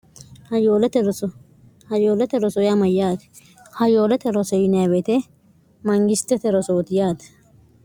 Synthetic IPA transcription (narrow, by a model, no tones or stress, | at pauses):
ɐjoːlɛt̪ɛɾɔɔ | hɐjoːlɛt̪ɛɾɔsɔjamɐjaːt̪ɛ̥ | hɐjoːlɛt̪ɛɾɔsɛjɪnɐbet̪ɛ | mɐŋɡɪst̪ːɛt̪ɛɾɔsot̪ɪjaːt̪ɛ̥